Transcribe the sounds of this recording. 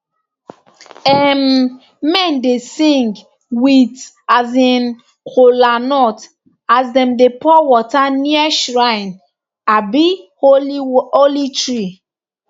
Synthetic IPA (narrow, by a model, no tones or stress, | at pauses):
ɛm | mɛ̃ndesĩŋɡ | wit | azĩn | kʰolanɔt | azdɛ̃mdepɔwɔtaniaʃɹaɪn | abi | oolitɹi